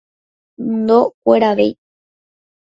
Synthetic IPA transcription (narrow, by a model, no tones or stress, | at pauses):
nd̪okʷeɾaʋḛj